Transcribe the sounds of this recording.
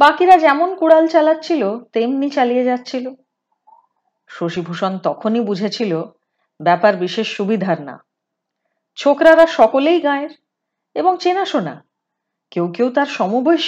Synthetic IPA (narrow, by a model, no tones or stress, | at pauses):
bakiɾad͡ʑɛmonkuɽalt͡ɕalatːt͡ɕʰilot̪emnit͡ɕalijed͡ʑatːɕʰilo | ʃoʃibʱuʃont̪ɔkʰonibud͡ʑʱet͡ɕʰilo | bɛpaɾbiʃeʃːubid̪ʱaɾna̰ | t͡ɕʰokɾaɾaʃɔkolejɡãeɾ | eboŋt͡ɕenaʃona̰ | kewkewt̪aɾʃɔmuboj